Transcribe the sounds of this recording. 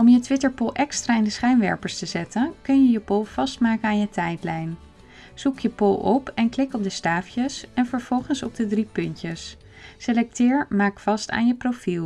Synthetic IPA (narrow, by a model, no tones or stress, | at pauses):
ɔmjətʋɪtəɹpʊlˠʔɛkstraːɪndəsχɛjnʋɛ̰ɹpəɹstəzɛtənkɵnjəjəpʊlˠv̥ɑstmaːkənaːnjətɛjtlɛjn | z̥ukjəpʊlˠɔpɛnklɪkɔp̚dəstaːfjəsɛnvəɹv̥ɔlˠχənsɔb̚dədripɵntəs | selɛk̚tɪːɹmaːkfɑsta̰ːnjəprofilˠ